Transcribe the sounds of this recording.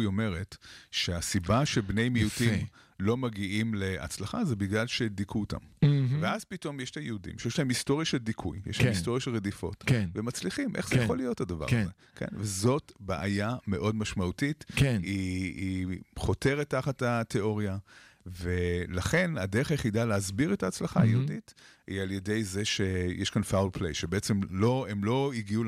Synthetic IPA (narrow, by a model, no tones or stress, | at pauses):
ome̞ʁetʃeasibaʃebne̞jmiutim | lo̞maɡiʔimle̞a̰t͡slaχazebiɡlalʃe̞dikʰuota̰mveaz̥pito̞mjeʃtajeudḭmʃejeʃlahemisto̞ʁjaʃeldikʰṵjj̰ʃlaemisto̞ʁjaʃelʁedifo̞̰tvemat͡sliχimʔḛχz̥ejaχo̞lijo̞thadava̰ʁaze | kʰḛnvezo̞tbaʔajame̞ʔo̞dmaʃmautitkenhiiχo̞te̞ʁetːaχatatʰe̞o̞ʁijave̞laχe̞nadeeχajeχidaleazbiʁetaːt͡slaχa̰jḛhudit | ḭalje̞de̞jzeʃe̞jeʃkanfawlpʰlḛjʃebeet͡se̞mloemlo̞iɡiu